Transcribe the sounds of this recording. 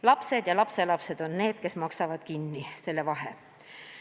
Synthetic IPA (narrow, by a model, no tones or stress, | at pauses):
lɑpse̞d̪̥jɑlɑpse̞lɑpse̞d̪o̞nne̞ːd̪̥ke̞smɑksɑvɑd̪̥kinːise̞lːevɑɦḛ